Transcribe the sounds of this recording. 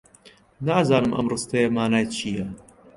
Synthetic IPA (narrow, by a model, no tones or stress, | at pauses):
naːzaːnɨmʔɐ̰mrɨst̪ɐjemaːnaːjt͡ʃʰiːjɐ